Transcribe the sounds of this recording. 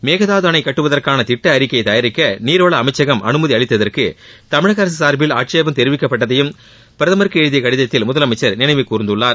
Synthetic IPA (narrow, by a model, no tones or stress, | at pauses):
meːɣɐðaːðɯɐnɐɪkːɐʈːɯʋɐðɐrkaːnɐt̪ɪʈːɐːɾɪkːɐɪt̪ɐjɐɾɪkːɐniːɾoːɭɐːmɐɪt͡ʃːɐɣɐmʔɐ̰nɯmɐðiɐɭɪt̪ːɐðɐrkɯ | t̪ɐmɪɻɐɣɐɾɐs̬isaːɾbɪla̰ːʈ̚t͡ʃjaʋɐmt̪ɛɾɪʋɪkːɐpːɐʈːɐðɐjɯm | pɪɾɐðɐmɐɾɯkːɯeːɻɯðɪjɐkɐɽɪðɐt̪ːɪlmʊðɐlɐmɐɪt͡ʃːɐɾnɪnɐɪʋɐɪkːuːɾɯnd̪ɯɭːaːɾ